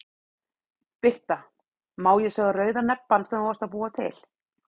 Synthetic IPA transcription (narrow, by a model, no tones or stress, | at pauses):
pɪht̪a | maːwjɛsœːɣarœːɥðanɛpːansɛmaast̪apuːat̪ʰɪ̰l̥